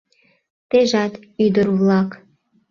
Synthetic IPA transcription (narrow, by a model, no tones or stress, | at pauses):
t̪eʒɑt̪yd̪əɾβlɑk